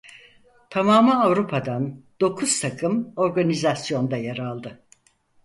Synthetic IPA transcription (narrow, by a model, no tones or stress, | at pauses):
t̪ʰamaːmɯavɾupʰad̪and̪̥o̞kʰuz̥t̪ʰakʰɯmo̞ɾɡanizasjo̞nd̪ajaɾalˠd̪ɯ